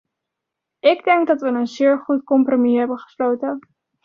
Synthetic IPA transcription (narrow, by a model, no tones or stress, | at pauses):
ɪɡdɛŋɡ̚dɑtʋənənzɪːɹχutkɔmpromiɦɛbənχə̥slowtən